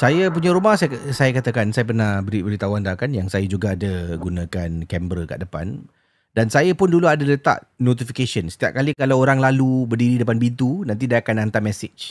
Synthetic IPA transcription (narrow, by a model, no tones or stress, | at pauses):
sajap̬uɲaɾumahsajsajakat̪akansajap̬ərnahbəɾibəɾit̪awand̪akanjaŋsajad͡ʒuɡaːdaɡunãkankɛmbɾəka̰ʔdəpa̰n | dansajapʊnduluadalət̪a̰ʔnot̪ifikesənsə̥t̪ia̰p̚kalikalawoɾaŋlalubərdiɾidəpanbint̪unant̪̬idaakanant̪amɛsɪd͡ʒ